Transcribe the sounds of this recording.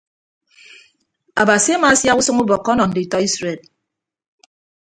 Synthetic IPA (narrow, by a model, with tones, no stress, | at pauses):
a˨ba˨si˨˦a˦ma˨a˦sja˦ku˦sɔ˦ŋu˦bɔ˨kːɔ˦nɔ˨n̩˨di˨tɔ˦i˦sɾe˨d̚